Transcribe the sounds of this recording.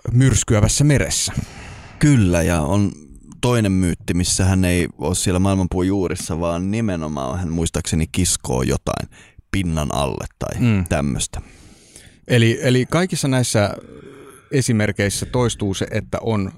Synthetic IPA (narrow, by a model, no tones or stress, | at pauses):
myrskyæʋæsːæmeɾḛsːæ̥kylːæjɑon | t̪oinemmyːt̪ːimisːæhæneioːssielːæmɑilmɑmpuijuːrʔisːɑʋɑːnnimenomɑ̰ːhænmuist̪ɑksenikisko̰ːjo̰t̪ɑ̰inpinːɑnɑ̰lːḛt̪tɑ̰it̪æmːø̰st̪æ̥ | ʔelielikɑikisːɑnæisːæ | esimerkeisːæt̪oist̪uːseʔet̪ːæ̰ʔon